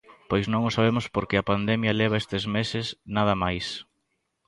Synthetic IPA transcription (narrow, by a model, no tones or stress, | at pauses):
pojznõŋʊsaβemʊspoɾkeɐpand̪ɛmjɐleβ̞ɐest̪ezmesɪsnað̞ɐmajs